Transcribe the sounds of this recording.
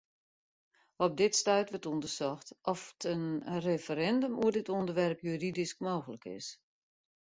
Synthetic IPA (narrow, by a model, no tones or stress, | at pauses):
ɔp̚dɪtstœɥtʋətundəsɔxtɔftʰənrefəɾɛndəmuərdɪtondərʋɛrpjyridisk̚moːɣələkɪ̰s